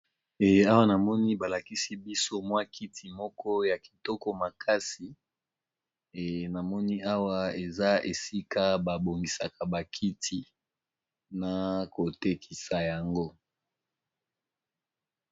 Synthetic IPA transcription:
a˦wa˦na˨mɔ˦ni˦ba˨la˨ki˦si˦bi˦so˦mwa˦kʰi˦tʰi˨mɔ˦kɔ˦ja˨ki̥˨tɔ˦kɔ˦ma˨kʰa˦si˨ | na˨mɔ˦ni˦a˦wa˦e˨za˦e˨si˦ka˦ba˨bo˨ŋɡi˨sa˨ka˨ba˨kʰi˦tʰi˦ | na˨ko˨te˦kʰi˨sa˨ja˨ŋɡo˦

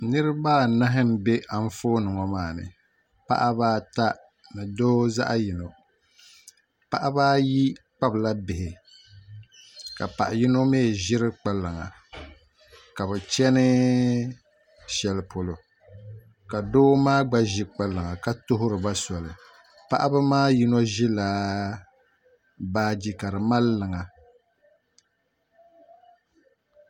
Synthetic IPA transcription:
nɨ˦ɾɨ˦baː˦˨na˦ɦɪ˦n˨be˦ʔa˨n˦foː˦nɨ˨ŋɔ˨maː˦˨nɨ̰˨ | pa̰˦ʔa˦baː˦ta˦ | nɨ˨doː˦za̰˦ʔa˦ji˨no˨ | pa˦ʔa˦baː˦ji˦k͡pa˦bla˦bɪ˨hɪ˨ | ka˨pa˨ʔa˨ji˦no˦meː˦˨ʒɪ˦ɾɨ˦k͡pa˦lːɨ˨ŋa̰˨ | ka˨bɛ˨t͡ʃɛ˦nɨ˦ | ʃɛ˨lɨ˨pʰo˨lo˨ | ka˨doː˦maː˦ɡ͡ba˦ʒi˦k͡pa˦lɨ˨ŋa˨ka˦tʊ˦ɦʊ˦ɾɨ˨ba˦sɔ˨lɨ˨ | pa˦ʔa˦bɨ˦maː˦ji˦nɔ˦ʒɪ˦la˨ | baː˦d͡ʒi˦ka˨ɾɨ˨ma˦lːɨ˨ŋa˨

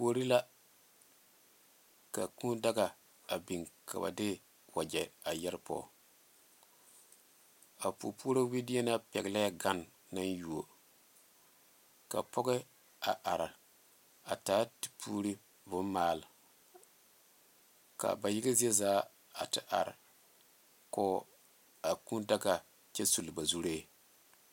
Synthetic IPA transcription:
poː˦ɾi˦la˦ | ka˨ku˦da˦ɡa˨ | a˨bi˨ŋkʰa̰˨ba̰˨dɪ˦ | wa˨d͡ʒɛ˨a˨jɛ˦ɾpɔ̰˦˨ | a˨pu˨pu˦o˦ɾa˦wi˦di˦e˦na˦pɛ˨ɡla˦ja˦ɡa˦nː | a˦nju˨o˨ | ka̰˨pɔ˦ɡɛ˦ | a˨ʔa˨ɾa˨ | a˨taː˦ti˨pʰuː˦ɾi˦ | vʊ˦n˦maː˦˨l | ka̰˨ba˨jɪ˦ɡɪ˦zi˦ɛ˦zaː˦ | a˨tɨ˨ʔa̰˨ɾɪ̰˨ | kɔ˦ | a˨ku˦nda˦ɡa˨ | t͡ʃɛ˦su˨lba˨zu˦ɾeː˦˨

